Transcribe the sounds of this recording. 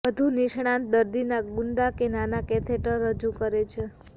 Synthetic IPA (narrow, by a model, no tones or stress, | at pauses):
ʋəd̪ʱuniʃɽ̃ãnt̪̚d̪əɾd̪inaɡund̪akenanakɛt̪ʰeʈəɾːəd͡ʒukəɾet͡ʃʰe